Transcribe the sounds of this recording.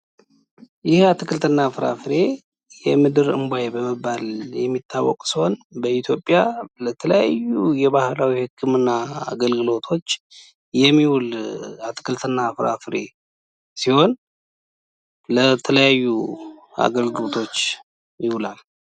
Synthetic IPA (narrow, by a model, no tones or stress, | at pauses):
jɪhat̪ʰɨkʰɨlt̪ʰɨnːafɾa̰fɨɾe̞ | jɛmɨd̪ɨɾɨ̰mbʷajebəməbːaljɛmːit̪ʰːawːɔ̰kʼsiho̞nbəit̪ʰjo̞pʼːjalət̪ʰələja̰jːujɛβahlawihɨkːɨmɨnːaa̰ɡəlɡɨlo̞t̪ʰo̞t͡ʃː | jɛmːiwulat̪ʰːɨ̥kʰɨlt̪ʰɨnːafɾa̰fɨɾe̞ | siho̞n | lət̪ʰələjajːua̰ɡəlɡɨlo̞t̪ʰo̞t͡ʃː | jɪwulal